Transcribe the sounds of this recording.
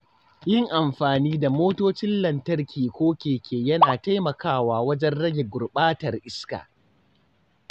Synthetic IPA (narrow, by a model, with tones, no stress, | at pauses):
jɪ˦ŋʔa˨mɸaː˨niː˦da˨moː˦toː˦t͡ʃɪ˦nlɐ˨ntɐ˦rkʲʰiː˨kʷoː˦kʲeː˨kʲeː˨jɐ˦naː˨ta˦jmɐ˨kaː˦˨waː˨wɐ˦d͡ʒɛ˦nɽɐ˦ɡʲe˨ɡʷʊ˨rɓaː˦tɐ˨rʔɪ˦ska̰ː˨